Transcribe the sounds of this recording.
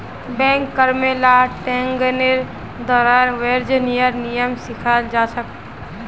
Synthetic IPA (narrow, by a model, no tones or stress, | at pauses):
bɛ̃ːŋkːəɾmelaʈɛ̃ːŋɡəneɾ | d̪ɔːɾaːɾʋeɾd͡ʒnijəɾnijəmsɪkʰald͡ʒaːsək̚